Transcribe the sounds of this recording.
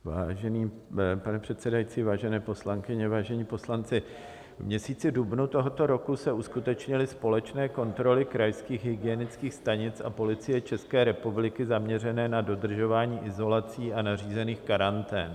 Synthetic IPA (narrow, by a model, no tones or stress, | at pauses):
vaːʒɛniː | panɛpr̥ɛt̪sɛdajit͡siːvaːʒɛnɛːpo̞slaŋkɪɲɛvaːʒɛɲiːpo̞slant͡sɪ | vmɲɛsiːt͡sɪdubnut̪o̞ɦo̞t̪o̞ɾo̞kusɛuskut̪ɛt͡ʃɲɪlɪspo̞lɛt͡ʃnɛːko̞nt̪ɾo̞lɪkɾajskiːxɦɪɡɪjɛnɪt͡skiːxst̪aɲɪt͡sa̰po̞lɪt͡sɪjɛt͡ʃɛskɛːɾɛpublɪkɪzamɲɛrɛnɛːnado̞dr̩ʒo̞vaːɲiːʔɪzo̞lat͡siːʔanar̝iːzɛniːxkaɾant̪ɛ̰ːn